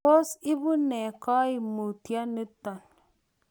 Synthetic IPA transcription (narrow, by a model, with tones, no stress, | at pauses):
o˦si˦bu˦ne˨kɔ˦i˨mu˨tja˦ni˦tɔ˨n